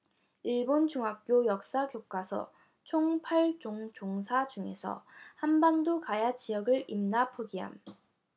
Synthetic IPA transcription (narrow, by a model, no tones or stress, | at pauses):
iɭbont͡ɕuŋɦak̚k͈jojʌk̚s͈akjok͈asʰʌ̰ | t͡ɕʰoŋpʰaɭt͡ɕoŋt͡ɕoŋsʰad͡ʑuŋe̞̰sʰʌ̰hambandokajat͡ɕijʌɡɯɭimnapʰoɡiɦa̰m